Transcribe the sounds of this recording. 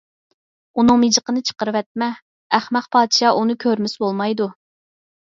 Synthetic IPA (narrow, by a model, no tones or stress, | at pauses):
unɨŋmid͡ʒəqʰənɨt͡ʃʰə̥qəɾɨwɛt̪̚mɛː | χmæχpʰɑːd̪ʃɑːʔunɨkʲʰøɾmɪsbolˠmɑjd̪u